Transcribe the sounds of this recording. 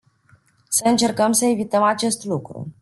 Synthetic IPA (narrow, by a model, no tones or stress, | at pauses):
səɨnt͡ʃe̞rkəmsəe̞vit̪əmat͡ʃe̞st̪lukɾṵ